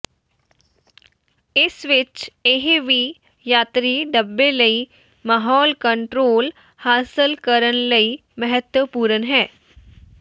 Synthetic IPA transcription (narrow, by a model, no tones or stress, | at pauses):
ɪsʋɪt͡ʃeːɦeʋiː | jaːt̪ɾiɖəbːeləi | maːɦɔːlkə̃ɳʈɾoːl | haːsɪlkəɾənləi | mɐɦət̪wəpuːɾənɦɛː